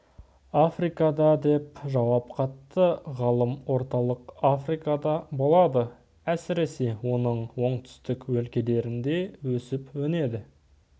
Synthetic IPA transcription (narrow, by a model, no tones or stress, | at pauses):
afrijkɑd̪ɑd̪e̞p̚ʒɑwɑpqʰɑt̪ːəʁɑlˠəmwo̞ɾt̪ɑlˠəqafrijkɑd̪ɑbo̞lˠɑd̪ə | æsɪɾe̞se̞wo̞nəɴwo̞ɴt̪ʰʏ̥st̪ɪkwɵlkʲe̞le̞ɾɪnd̪e̞wɵsɪpwɵne̞d̪ɪ